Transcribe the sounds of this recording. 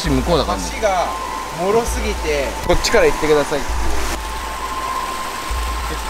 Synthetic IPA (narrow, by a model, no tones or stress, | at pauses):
ɕimɯ̟koːnakaɕiɡa | mo̞ɾo̞sɨɡʲit̪e̞ko̞t͡ɕːi̥kaɾait̪ːe̞kɯd̪asai